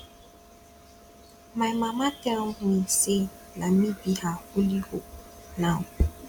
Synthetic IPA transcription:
majmamatɛɔŋnise | namibihahulihonaw

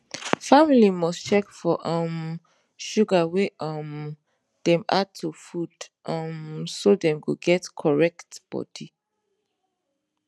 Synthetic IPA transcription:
familimɔst͡ʃɛkfɔʔʌ̃m | ʃuɡaweʌm | d̥ɛ̃ma̰tʰːufudʔʌmsodɛ̃mɡoɡɛtkʰɔɹɛktb̥ɔ̰di

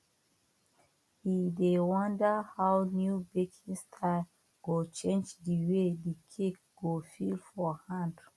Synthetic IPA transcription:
hidewɔ̃ndəhawnjubekʰĩŋstʰaɪ | ɡ̥ot͡ʃẽnd͡ʒdiwedikʰek̚ | ɡofilfɔhãnd

